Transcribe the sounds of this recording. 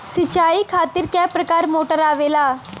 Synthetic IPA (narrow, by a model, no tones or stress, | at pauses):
sət͡ʃaːiːkʰaːt̪ɪɾkɛːpɾəkaːɾmoːʈəɾaːʋeːlaː